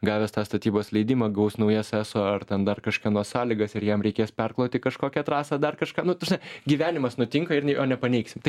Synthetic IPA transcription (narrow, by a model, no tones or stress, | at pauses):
ɡɑːʋʲɛst̪ɑːst̪ɐt̪ʲiːboːslʲɛɪd̪ʲiːmɐɡɐʊsnɐʊjɛsæːsoːɐrt̪ʲɛnd̪ɐrkɐʃkʲɛnuɔssɑːlʲɪɡɐsɪrjɛmɾʲɛɪkʲeːspʲɛrklˠɐʊt̪ʲɪkɐʃkoːkʲɛt̪ɾɑːsɑːd̪ɐrkɐʃkɑːnʊt̪ɐʒʲnɐɪɡʲiːʋʲæːnʲɪmɐsnʊt̪ʲɪŋkɐɪrʲnʲɛɪʔoːnʲɛpɐnʲɛɪksʲɪmt̪ɐɪ